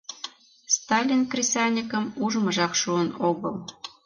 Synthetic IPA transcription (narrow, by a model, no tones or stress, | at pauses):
st̪ɑlʲinkrʲisʲɑnʲikə̆muʒmə̆ʒɑkʃuənoɣəl